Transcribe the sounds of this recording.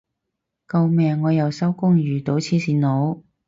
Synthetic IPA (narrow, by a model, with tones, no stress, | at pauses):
kɐ˧wmɛː˨˧ŋːɔː˨˧jɐ˨˩wsɐ˥wkʊ˥ŋjyː˨˩t̪o˨˥wt͡sʰiː˨˥siː˨˧nlo˨˥w